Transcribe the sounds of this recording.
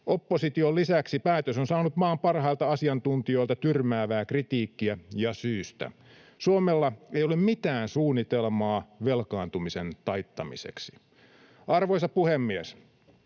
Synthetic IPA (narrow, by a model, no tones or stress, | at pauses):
ʔopːosit̪iollisæksipæːt̪øsonsɑːnut̪mɑːmpɑrhɑilt̪ɑɑsiɑnt̪unt̪io̞jlt̪ɑt̪yrmæːʋæːkrit̪iːkːiæjɑsyːst̪æ̰ | suomelːɑejolemmit̪æːnsuːnːit̪elmɑːʋelkɑːnt̪umisent̪ɑjt̪ːɑmḭsḛksi̥ | ʔɑrʋojsɑpuhemːies